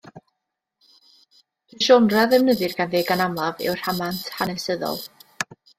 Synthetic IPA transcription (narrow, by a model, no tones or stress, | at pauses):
ɪʃɔnraðɛwnəðɨrɡanveːɡanamlˠavɪ̰wr̥amantʰhanɛsəðɔ̰lˠ